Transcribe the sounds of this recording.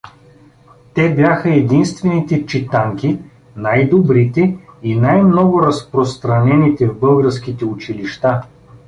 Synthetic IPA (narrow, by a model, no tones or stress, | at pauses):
t̪ɛbjʲaxəɛd̪inst̪vɛnit̪ɛt͡ʃit̪aŋki | najd̪obɾit̪ɛinajmnɔɡʊɾɐspɾost̪ɾɐnɛnit̪ɛvbɤlˠɡəɾskit̪ɛʊt͡ʃiliʃt̪a